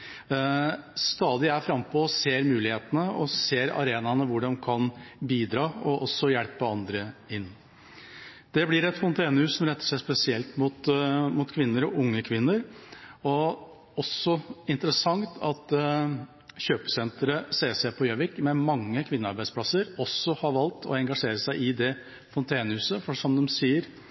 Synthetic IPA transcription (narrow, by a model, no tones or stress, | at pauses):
st̪ɑːd̪ɪææfɾɑmːpʰɔseːɾmʉːlɪheːt̪ənəɔseːɾɑ̰ɾeːnɑnəʋʊɖɛmkʰɑnbiːd̪ɾɑːɔʔɔsːɔjɛlpəɑnd̪ɾəɪnː | d̪̥ɛblɪɾɛt̪fɔnt̪ʰeːnəʉːssɔmɾɛt̪ːə̥ʂæɪspɛsɪɛlt̪mʊt̪mʊt̪kʰʋɪnːəɾɔʔʊŋːəkʰʋɪnːəɾɔ | ɔsːɔɪnt̪əɾəsɑŋt̪ʰɑt̪ | çøːpə̥sɛnt̪ɾəseːsɛpʰɔjøːʋɪkmɛmɑŋːəkʰʋɪnːəɑɾbæɪd̪spʰlɑsəɾɔsːɔhɑɾʋɑlt̪ʰɔ̰ɛŋɡɑʂeːɾəsæɪʔɪd̪ɛ | fɔnt̪ʰæɪnəhʉːsəfɔʂɔmd̪ɔmsiːəɾ